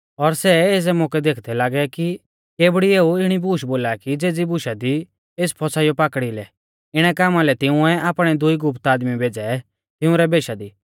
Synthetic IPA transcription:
ɔɾsɛeːs̬ɛmʊkɛd̪eːkʰd̪ɛlaːɡɛki | keːbɽieːuɪɽ̃ibuːʃboːlakid͡zeːd͡zibʊʃad̪i | eːspʰɔsaːijɔpaːkɽilɛ | ɪɽ̃ɛkaːmalɛt̪ɪʊ̃ɛʔaːpɽ̃ɛd̪ʊiɡʊpt̪aːd̪mibʱeːd͡zɛ | t̪ɪ̃ʊ̃ɾɛbeːʃad̪iː

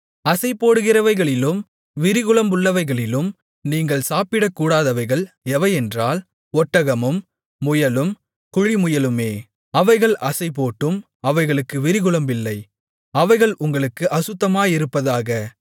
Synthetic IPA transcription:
ɐsɐɪpːoːɽɯɣɪrɐʋɐɪɣɐɭɪlɯm | ʋɪɾɪɣɯɭɐmbʊɭːɐʋɐɪɣɐɭɪlɯm | niːŋɡɐɭsaːpɪɽɐkːuːɽaːðɐʋɐɪɣɐɭ | ɛʋɐɪɛndraːl | ɔʈːɐɣɐmɯmː | ʊjɐlɯm | kʊɻimʊjɐlɯmeː | ɐʋɐɪɣɐɭɐsɐɪpoːʈːɯm | ɐʋɐɪɣɐɭɯkːɯʋɪɾɪɣɯɭɐmbɪlːɐɪ | ɐʋɐɪɣɐɭʔʊŋɡɐɭɯkːɯʔɐsɯt̪ːɐmaːjɪɾɯpːɐðaːɣɐ

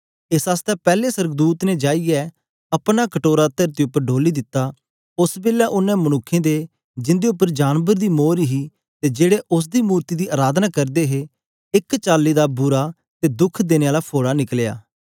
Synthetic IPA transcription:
ɪsaːst̪ɛpɛːlesəɾəɡd̪uːt̪ned͡ʒaːijɛ | ɐpɽ̃akəʈoːɾaːt̪əɾt̪iʊpːəɾɖʱoːliːd̪ɪt̪ːaː | ʊsbeːljaʔʊnːɛ̃mənʊkʰːẽːd̪e | d͡ʒɪ̃nd̪eʊpːəɾd͡ʒaːnbəɾd̪iːmoːɾiɦiː | t̪ed͡ʒeːɽeʔʊs̬d̪iːmuːɾt̪iːd̪iːʔaːɾaːd̪naːkɐɾd̪eɦe | ɪkt͡ʃaːlːid̪aːbʊɾa | t̪ed̪ʊkʰd̪eːneːaːlaːpʰoːɽanɪkleja̰ː

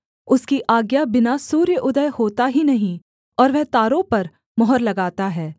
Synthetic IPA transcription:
ʊskiʔaːɡjabɪnasuːɾjəʔʊd̪əjhoːt̪aɦinɐɦĩ | ɔːɾʋɛɦt̪aːɾõpɐɾ | mɔɦəɾlɐɡaːt̪aɦɛː

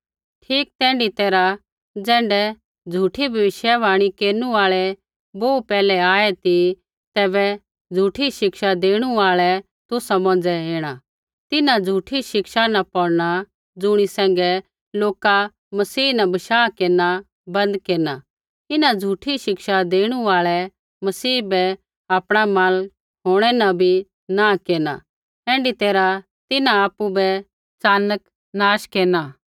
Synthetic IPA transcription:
ʈʰiːk̚t̪ɛ̃ːɳɖit̪eːɾa | d͡zɛ̃ːɳɖɛ | d͡zʱuːʈʰibʱɐʋɪʃjɛʋaːɽ̃ikeːnuaːɭɛ | boːupɛːlɛaːɛt̪i | t̪ɛːbɛ | d͡zʱuːʈʰiʃɪkʃad̪eːɽ̃uaːɭɛ | t̪ʊsamɔ̃ːnd͡ʒɛeːɽ̃a | t̪ɪnad͡zʱuːʈʰiʃɪkʃanapɔɽɽ̃a | d͡zʊɽ̃isɛ̃ːŋɡɛ | loːka | mɐsiːnabɐʃaːkeːna | bɐ̃nd̪keːna | t̪ɪnãd͡zʱuːʈʰiʃɪkʃad̪eːɽ̃uaːɭɛ | mɐsiːbɛ | aːpɽ̃amãːl | ɦoːɽ̃ɛnabʱi | naːkeːna̰ | ɛ̃ːɳɖit̪eːɾa | t̪ɪnãaːpːubɛ | t͡saːnək | naːʃkeːna

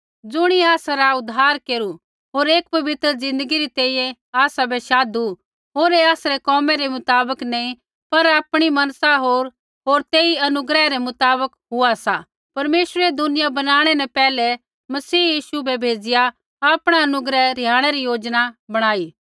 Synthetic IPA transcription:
d͡zʊɽ̃iaːsaɾaʊd̪aːɾkeːɾu | ɦoːɾeːkpɐʋɪt̪ɾəzɪ̃nd̪əɡiɾit̪eːijɛ̃ | aːsabɛʃaːd̪u | ɦoːɾeaːsɾekɔːmɛɾemʊt̪aːbəknɛĩ | pɐɾaːpɽ̃imɐnsaɦoːɾ | ɦoːɾt̪eːiɐnʊɡɾɛɾɛmʊt̪aːbəkɦʊasa̰ | pɐɾmeːʃɾɛd̪ʊnɪjabɐnaːɽ̃ɛnɛpɛːlɛ | mɐsiːjiːʃubɛbʱeːd͡ʒɪja | aːpɽ̃aɐnʊɡɾɛɾjaːɽ̃ɛɾijoːd͡ʒnabɐɽ̃aːiː

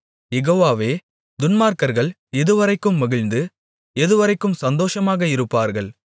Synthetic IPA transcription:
jɛɣoːʋaːʋeː | d̪ʊnmaːɾkɐɾɣɐɭ | ɛðɯʋɐɾɐɪkːɯmːʊɣɪɭnd̪ɯ | ɛðɯʋɐɾɐɪkːɯmsɐnd̪oːʂɐmaːɣɐɪɾɯpːaːɾɣɐɭ

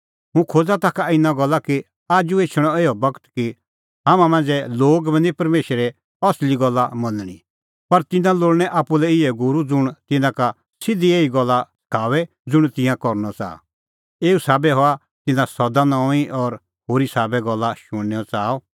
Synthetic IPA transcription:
ɦũkʰoːd͡zat̪akaɪnãɡɔlːaki | aːd͡ʒueːt͡ʃʰɽ̃ɔeːɔbɐkt̪ki | ɦaːmãmɐ̃nd͡zɛloːɡbɛ̃nipɐɾmeːʃɛɾɛ | ɔsliɡɔlːamɐ̃nɽ̃ḭ | pɐɾt̪ɪnãloːɭñɛʔaːpːulɛɪɛɡʊɾud͡zʊɽ̃t̪ɪnãka | sɪd̪ieːiɡɔlːaskʰaːʋɛ | d͡zʊɽ̃t̪ɪ̃jãkɔɾnɔt͡sa̰ː | eːusaːbɛɦɔa | t̪ɪnãsɔd̪anɔ̃ːiʔɔɾ | ɦoːɾisaːbɛɡɔlːaʃʊ̃ɽ̃nɛːɔt͡saːɔ

